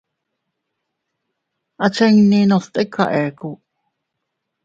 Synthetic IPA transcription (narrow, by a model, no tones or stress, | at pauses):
ʔat͡ʃɛŋninost̪ʼekʰa̰ʔeku